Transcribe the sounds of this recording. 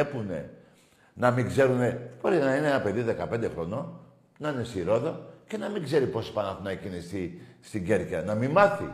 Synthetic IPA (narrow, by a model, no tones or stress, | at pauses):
epune̞̰ | nɐmiŋɡze̞ɾune̞b̥o̞ɾinɐineenɐpe̞ðiðe̞kɐpe̞nd̪exɾo̞no̞ | nɐine̞siɾo̞ðoce̞nɐmiŋɡze̞ɾipo̞spɐnɐθunɐecinisist̪iɲɟe̞ɾçɐnɐmimɐθḭ